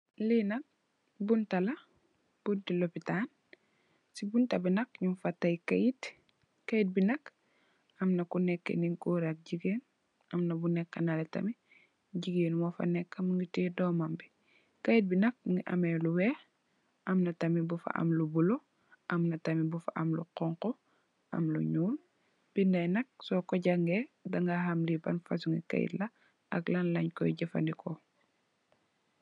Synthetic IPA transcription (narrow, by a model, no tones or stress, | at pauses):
linɐk̚ | buntɐlɐ | b̥untilopitan | sibuntabinɐkɲumfatːajkajit | kajit̚binɐk | ɐmnɐkunɛkːḛniŋkuɾak̚ɟiɡeːn | ɐmnɐbunɛkːɐnaletɐ̰mi | ɟiɡeːnmɔfa̰nɛkːamŋɡitidɔːmambi | kajit̚binɐk̚ŋɡiʔɐmeluwɛːx | ʔɐmnɐtɐmibufa̰ʔa̰mlubulo | ʔɐmnɐtɐmibufa̰ʔɐmlṵqɔŋqɔ | ʔɐ̰mlṵɲuːl | b̥indɐjnɐk̚sɔkɔɟaŋɡɛdaŋɡahamlibɐnfa̰suŋɡḭka̰jḭtlɐ | ɐklanlɐɲkɔ̰jɟɐfa̰ndikɔ